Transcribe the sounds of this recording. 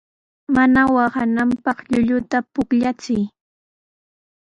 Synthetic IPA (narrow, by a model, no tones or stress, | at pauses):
manawahanampɑχʎʊʎʊt̪apʊkʎat͡sɪj